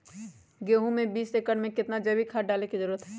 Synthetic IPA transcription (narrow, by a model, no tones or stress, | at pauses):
ɡeːɦũmẽbiːseːkəɽmẽkɪt̪nad͡ʒɐbikʰaːɖaːlekizəɾuːɾət̪ɦɛː